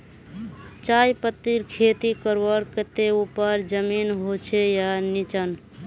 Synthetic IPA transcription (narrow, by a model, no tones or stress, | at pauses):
t͡ʃajpət̪ːiɾkʰet̪ikəɾʋəɾkət̪eupəɾd͡ʒəminɦot͡ʃʰejanit͡ʃən